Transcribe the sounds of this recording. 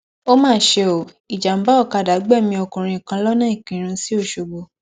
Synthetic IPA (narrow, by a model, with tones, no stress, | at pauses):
o˦mãː˦˨˦ʃe˧o˨ | i˨d͡ʒa˨m̩˨˦ba˦ɔ˦˨ka˧˨da˨˦ɡ͡bɛ˦˨mĩ˧ɔ˧kũ˨ɾ̃ĩ˧˨kã˧˦lɔ˦nã˦i˦˨kĩ˨˦ɾ̃ũ˧si˦o˦˨ʃo˨ɡ͡bo˧˨